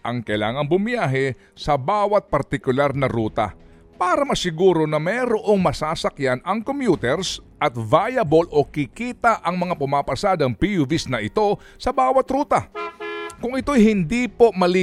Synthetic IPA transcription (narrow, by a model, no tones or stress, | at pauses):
ʔɐŋkɐɪla̰ːŋɐŋbʊmɪjaːɦɛ | sɐbaːwɐt̪̚pɐɾt̪ɪkʊlaɾnɐɾuːt̪ɐ̰ | paːɾɐmɐsɪɡuːɾo̞nɐmɛɾoʔo̞ŋmɐsaːsɐkjanɐŋkomjuːt̪ɛɾsʔɐt̪vajɐbolʔo̞kɪkiːt̪ɐʔɐŋmɐŋapʊmaːpɐsaːd̪ɐŋpijʊvisnɐʔɪt̪o̞ | sɐbaːwɐt̪ɾuːt̪ɐ | kʊŋɪt̪o̞jhɪnd̪iːpo̞ʔmɐli